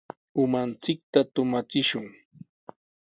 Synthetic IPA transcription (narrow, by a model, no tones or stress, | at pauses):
ʊmant͡sɪk̚t̪at̪ʊmat͡sɪʃʊŋ